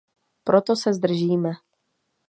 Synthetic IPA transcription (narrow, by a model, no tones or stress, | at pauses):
pɾot̪osɛzd̪r̩ʒiːmɛ